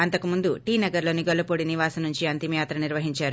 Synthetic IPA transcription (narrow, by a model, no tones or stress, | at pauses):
ɐnt̪ɐkumund̪uʈiːnɐɡɐɾlo̞ːniɡɔlɐpoːɽiniʋaːsɐnuɲt͡ʃiɐnt̪imjaːt̪ɾɐniɾʋɐɦiɲt͡ʃaːɾu